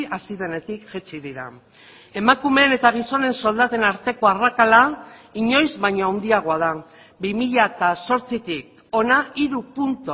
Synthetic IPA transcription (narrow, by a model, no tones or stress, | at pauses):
asiðe̞ne̞t̪ikʝet͡ʃiðiɾa̰ | e̞makume̞ːne̞t̪aɣ̞iso̞ne̞nso̞ld̪at̪e̞naɾt̪e̞ko̞arakalaiɲo̞jzβajɲo̞awnd̪iaɣ̞o̞að̞a | bimiʎaet̪aso̞ɾt͡sit̪ik̚ | o̞naiɾupunt̪o